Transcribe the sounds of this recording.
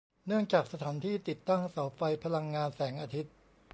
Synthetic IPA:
nɯ˥˩əŋt͡ɕaː˨˩k̚sa˧t̪ʰaː˩˦nt̪ʰiː˥˩t̪i˨˩t̪ːa˥˩ŋsa˩˦wfa˧jpʰa˧la˧ŋːaː˧nsɛː˩˦ŋʔaː˧t̪ʰi˦˥t̪̚

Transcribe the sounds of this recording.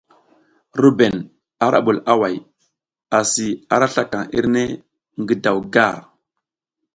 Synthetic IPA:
ɾu˦be˨n | a˨ɾʔa̰˦ɓu˨la˦wa˨j | a˨si˨a˨ɾa˦ɬa˦ka˨ŋḭ˦ɾne˦ | ŋɡi˨da˨wɡa˦˨ɾ

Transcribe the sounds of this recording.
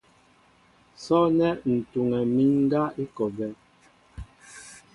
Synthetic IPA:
sɔ˦nɛ˦n̩˨tu˨ŋɛ˨mi˦ŋŋ˦ɡa˦i˦kɔ˨bɛ˨˦

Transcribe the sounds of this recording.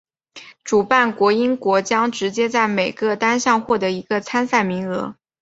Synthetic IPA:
ʈ͡ʂu˨˩pa˥˩nkwɔ˧˥i˥nkwɔ˧˥t͡ɕjɑ˥ŋʈ͡ʂɻ̩˧˥t͡ɕjɛ˥t͡sa˥˩ɪme˨˩ɪɡə˥˧t̪a˥nɕjɑ˥˧ŋxwɔ˥˩d̪ɤ˧˥i˧˥ɡə˧t͡sʰa˥nsa˥˩ɪmi˧˥ŋɤ˧˥

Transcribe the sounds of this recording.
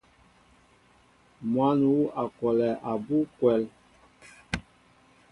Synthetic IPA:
mwa˦nu˨˦a˨kɔ˨lɛ˨ʔa˨bu˦kwɛ˨˦l

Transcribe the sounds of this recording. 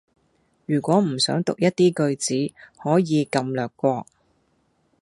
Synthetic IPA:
jyː˨˩kʷɔː˨˥m̩˨˩sœː˨˥ŋt̪ʊ˨k̚jɐ˥t̚t̪iː˥kɵ˧ɥt͡siː˨˥hɔː˨˥jiː˨˧kɐ˧mlœː˨kːʷɔː˧k̚

